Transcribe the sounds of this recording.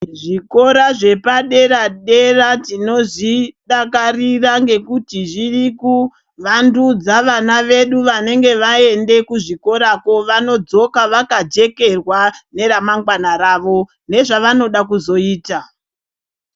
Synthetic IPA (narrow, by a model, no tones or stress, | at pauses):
ʐiko̞ɾaʐe̞paɗe̞ɾaɗe̞ratino̞ʐiɗakariraŋɡe̞kutiʐiriku | ʋandud͡zaʋanaʋe̞ɗuʋane̞ŋɡe̞ʋae̞nde̞kuʐiko̞ɾako̞ʋano̞d͡zo̞kaʋakad͡ʒe̞ke̞rwane̞ɾamaŋɡwanaɾaːʋo̞ | ne̞ʐaʋano̞ɗakuzo̞iːta